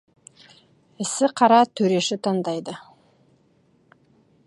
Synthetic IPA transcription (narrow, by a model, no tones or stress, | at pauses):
ɪ̆sɪqʰɑɾɑt̪ʰɵɾe̞ʃɪt̪ʰɑnd̪ɑjd̪ə